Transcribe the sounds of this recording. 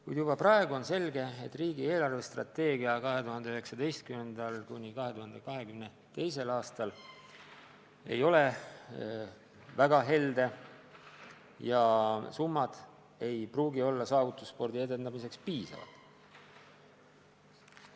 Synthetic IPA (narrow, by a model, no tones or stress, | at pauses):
kujd̪jub̥ɑprɑe̞ɡ̥uo̞nse̞lɡe̞et̪ːˑriːɡie̞ːlɑrve̞st̪rɑ̰t̪ːe̞ːɡiɑkɑɦe̞t̪uɦɑnd̪eyɦeksɑd̪e̞jst̪̚kyme̞nd̪ɑlkunʲikɑɦe̞t̪uhɑnd̪̥e̞kɑɦe̞kymne̞ | t̪e̞jse̞lɑːst̪ɑl | e̞̰jo̞le̞ | væɡ̥ɑɦe̞ld̪e̞ | jɑsumːɑd̪̥ | e̞jpruːɡio̞lːɑsɑːvut̪ːˑusːpo̞rd̪̥ie̞d̪e̞nd̪̥ɑmise̞kspiːsɑ̰vɑ̰lt̪ˑ